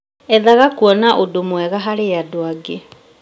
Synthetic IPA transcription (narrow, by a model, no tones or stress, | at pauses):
ɛðaɣakuɔnaʔodomwɛɣaɦaɾeadoaɡe